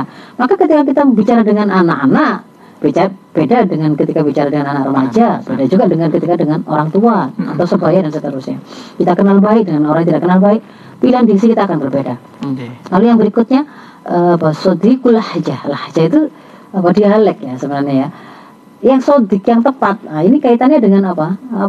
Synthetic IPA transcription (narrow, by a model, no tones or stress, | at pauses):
makakət̪ikak̬it̪abit͡ʃaɾadəŋananaʔanaʔ | b̥ed͡ʒab̥edadəŋankət̪ikabit͡ʃaɾadəŋananaʔɾəmad͡ʒab̥edad͡ʒuɡadəŋankət̪ikadəŋano̰ɾaŋt̪uaa̰t̪awsəbajadansət̪əɾusɲakit̪akənalbaɪk̚dəŋanoɾaŋjat̪idaʔkənalbaɪk̚ | pilanbiksikit̪aːkanbərbeda | lalujaŋbəɾikʊt̪̚ɲa | ʔəpasod̪ɪkulahd͡ʒahlahd͡ʒait̪u | apadialɛkjasəbənarɲaja | jaŋsod̪ɪkjaŋt̪əpat̪̚ainikait̪anɲadəŋanapa